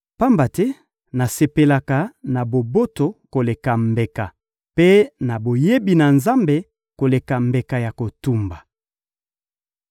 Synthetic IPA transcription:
pa˦mba˨tɛ˦ | na˨se˨pe˨la˨ka˨na˨bo˨bo˦to˨ko˨le˨ka˨mbe˨ka˨ | pe˦na˨bo˨je˦bi˨na˨nza˦mbe˨ | ko˨le˨ka˨mbe˨ka˨ja˨ko˨tu˦mba˨

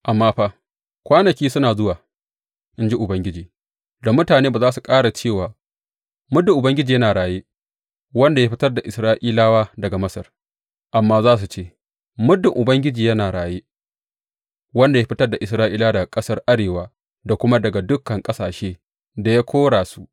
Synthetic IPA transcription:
ʔa˨mːaː˦ɸaː˦ | kʷaː˦nɐ˨kʲiː˦sʊ˦naː˨zʊ˦waː˨ | ʔɪ˦nd͡ʒi˦ʔʊ˨bɐ˦ŋɡʲɪ˦d͡ʒiː˨ | da˨mʊ˦taː˨neː˦baː˨zaː˦su˨kʼaː˦ɽa˨t͡ʃeː˦˨waː˨ | mʊ˦dːʊ˨ʔʊ˨bɐ˦ŋɡʲɪ˦d͡ʒiː˨jɐ˦naː˨ɽaː˨jeː˦ | wɐ˦nda˨ja˦ɸɪ˦tɐ˦rda˨ʔɪ˨sɾaː˦ʔiː˦laː˦waː˦dɐ˨ɡa˨mɐ˦sɐ˨r | ʔa˨mːaː˦zaː˦s̬u˨t͡ʃeː˦ | mʊ˦dːɪ˨ŋʔʊ˨bɐ˦ŋɡʲɪ˦d͡ʒiː˨jɐ˦naː˨ɽaː˨jeː˦ | wɐ˦nda˨ja˦ɸɪ˦tɐ˦rda˨ʔɪ˨sɾaː˦ʔiː˦laː˦dɐ˨ɡa˨kʼɐ˦sɐ˦rʔa˦ɽeː˨waː˦ | da˨kʷʊ˦ma˦dɐ˨ɡa˨dʊ˦kːɐ˨ŋkʼɐ˦saː˨ʃeː˦ | da˨ja˦kʷʰoː˦ɽaː˨su˦ʔ

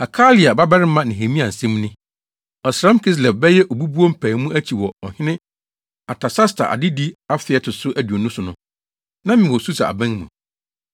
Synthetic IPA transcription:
a˨kʰa˦li˨a˨ba˦bɛ˦ɾɪ˦mã˦nɪ̃˨ɦe˨mĩ˦ã˨n̩˨sɛ̃˦m˦nɪ̃˦ | ɔ˨sɾã˦m˦kʰɪ˦s̬lɛ˨p̚bɛ˦jɛ˦ʔo˨bu˦bu˦o˦m̩˦pʰæː˨˦mũ˦ʔæ˦t͡ɕʰi˨wɔ˨ɔ˨hɪ̃˦nɪ̃˦ | a˨tʰa˨sa˦stʰa̰˨ʔa̰˨dɪ˦di˦a˦fɪ˨ɛ˨tʰʊ˨sʊ˦ʔæ˦du˨o˨nũ˦sʊ˨nʊ̃˦ | nã˦mɪ̃˨wɔ˨su˦sa̰˨a̰˨bæ̃˦ŋmũ˨

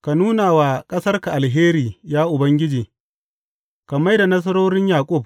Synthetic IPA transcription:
ka˨nuː˦naː˨waː˨kʼɐ˦sɐ˦rka˨ʔa˨lɦeː˦ɾiː˨jaː˦ʔʊ˨bɐ˦ŋɡʲɪ˦d͡ʒiː˨ | ka˨ma˦jda˨nɐ˦s̬ɐ˦ɾoː˦ɽɪ˦ɲjaː˨kʷʼʊ˦˨b̚

